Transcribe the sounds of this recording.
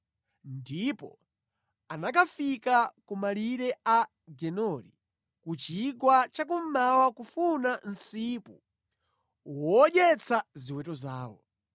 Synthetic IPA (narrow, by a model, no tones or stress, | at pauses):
ndipɔ̰ | anak̬afikakumaliɾɛa | ɡɛnɔɾḭ | kut͡ʃiɡwat͡ʃak̬um̩mawakufunan̩sipu | wɔɗɛt͡sʰaziwɛtɔza̰ːwɔ̰